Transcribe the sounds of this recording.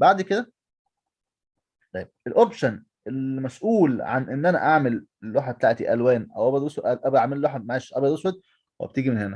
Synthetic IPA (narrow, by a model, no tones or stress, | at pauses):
baʕd̪ked̪æ | t̪ˤɑjːb̚elʔopʃæn | elmæsʔuːlʕa̰nʔenːʔænæ̰ʔaʕmelelːoħḁet̪aːʕt̪ḭʔælwæːnʔæwʔæbæd̪woswæʔæbʔaʕmellːoħamaʕæːʃʔæbæd̪woswæd̪̚ | wḛb̚t̪iːɡimenhenæ